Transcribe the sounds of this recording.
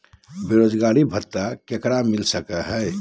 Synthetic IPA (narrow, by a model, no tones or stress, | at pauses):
beɾod͡ʒɡaɾibʱət̪ːakekɾamilsəkəɦɛɪ